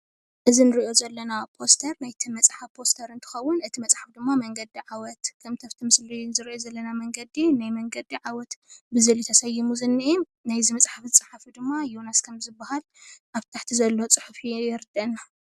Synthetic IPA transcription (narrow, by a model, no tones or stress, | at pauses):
ʔɨzinɨɾiʔo̞zɐlːɐnapʰost̪ʰɐɾnajt̪ʰɨmɐt͡sʼħafpʰo̞st̪ʰɐɾɨnt̪ʰɨ̥xɐwːʊnɨt̪ʰimɐt͡sʼħafd̪ɨmːamɐŋɡɐd̪iʕawɔt̪kʰɐmt̪ʰɐft̪ʰɨmɨslinzɨɾiʔozɐlːɐnamɐŋɡɐd̪inajmɐŋɡɐd̪iʕawɔt̪bɨzɐlit̪ʰɐsɐjːɪmuzɨnːiʔi | najzɨmɐt͡sʼħaft͡sʼaħafid̪ɨmːajonaskʰɐmzɨbːahal | ʔaβt̪ʰaħt̪ʰizɐlːo̞t͡sʼɨħufijɪɾɨd̪ɐna